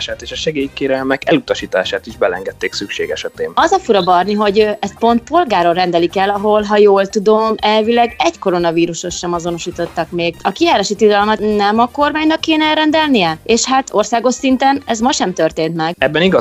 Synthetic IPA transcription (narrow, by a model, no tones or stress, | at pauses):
ʃaːt̪eːʃɒʃɛɡeːjkeːɾɛlmɛkɛlut̪ɒʃiːt̪a̰ːʃaːt̪iʒbɛlɛŋɡɛt̪ːeːksykʃḛːɡɛʃɛt̪eːmɒzɒfuɾɒbɒrniɦo̞ɟøɛst̪̚po̞nt̪̚po̞lɡaːɾorɛnd̪ɛlikɛlːɒɦo̞lɦɒjoːlt̪ud̪o̞mɛlvilɛɡɛɟko̞ɾo̞nɒviːɾuʃo̞ʃʃɛmɒzo̞no̞ʃiːt̪o̞t̪ːɒkmeːɡɒkijaːɾaʃit̪id̪ɒlmɒt̪nɛmɒko̞rmaːɲnɒkːeːnɛɛlɾɛnd̪ɛlnijɛeːʃhat̪o̞rsaːɡo̞ʃsint̪ɛnɛzmɒʃɛmt̪ø̞rt̪eːnt̪mɛɡɛbːɛniɡɒ